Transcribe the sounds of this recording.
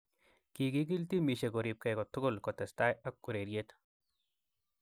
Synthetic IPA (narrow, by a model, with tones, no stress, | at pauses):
ki˨ki˦k̬i˦lt̪i˦mi˨ʃe˨ko˨ɾi˨p̚kɛ˨kɔ˨t̪ʊ˦kʊ˦lkɔt̪ɛ˨st̪a˦ja˦kːu˨ɾe˨ɾjet̪